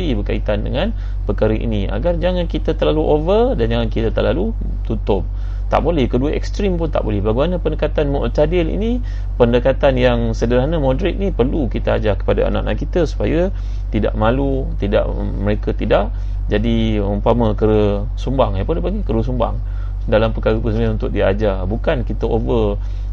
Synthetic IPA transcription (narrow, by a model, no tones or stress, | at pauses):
ibərkait̪andə̰ŋãn | pərkaɾəʔḭnia̰ɡard͡ʒaŋankit̪ət̪ərlaluʔovərdand͡ʒaŋankit̪ət̪əlalu | t̪ut̪ʊp̚ | t̪a̰ʔbolɛhkəduəʔɛ̰kst̪ɾimpʊnt̪a̰ʔbolɛhbaɡimanəpəndəkat̪anmot̪adɪlḭni | pəndəkat̪anjaŋsədəɾaɦnəmodɾɛt̪̚nipərlukit̪aad͡ʒakə̥padaa̰nã̰ʔna̰ʔkit̪əsu̥pajə | t̪ida̰ʔmalu | t̪ida̰ʔ | məɾekət̪idaʔ | d͡ʒadiməpaməkəɾə | sumbaŋajpədəpaɡikəɾəs̬umba̰ŋ | dalampəkaɣəpusəmaunt̪ʊk̚diad͡ʒabukankit̪əʔovə